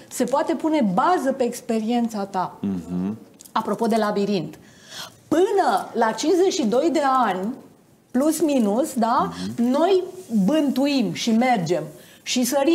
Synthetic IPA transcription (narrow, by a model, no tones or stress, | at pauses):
se̞poat̪e̞pune̞bazəpe̞ːkspe̞ɾie̞nt̪sat̪a | apɾo̞po̞d̪e̞labiɾint̪ | pɨnəlat͡ʃinsze̞t͡ʃʃid̪o̞jd̪e̞anʲ | plusminusd̪ano̞jbɨnt̪uimʃime̞rd͡ʒe̞m | ʃisəɾi